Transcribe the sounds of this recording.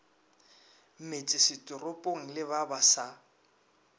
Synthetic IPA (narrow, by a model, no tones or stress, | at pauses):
m̩met͡sʼɪsɪtʼʊrʊpʼoŋ̩lɪβabasa